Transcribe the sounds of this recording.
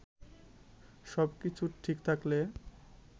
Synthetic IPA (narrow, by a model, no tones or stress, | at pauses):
ʃɔbkit͡ɕʰuʈʰikt̪ʰakle